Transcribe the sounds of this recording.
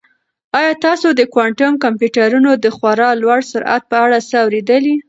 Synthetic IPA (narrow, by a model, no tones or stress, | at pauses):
ɑjɑt̪ɑsod̪əkwɑɳʈʊmkampjuʈaɾunod̪əxwaɾɑlwaɽsʊɾʔa̰t̪̚pəaɽasəawɾed̪əli